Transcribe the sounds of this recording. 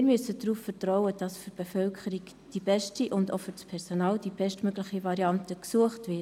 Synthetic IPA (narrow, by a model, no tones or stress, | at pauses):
ɪɾmʏsədɾuːffɛɾtrɔʊəd̥ɑsfyɾb̥efœlkʰəɾiɡ | d̥ibɛʃtiʔʊndofyɾspʰɛɾsonɑːld̥ibɛʃtmøɡlɪχivɑɾiɑntəksuəχtvɪː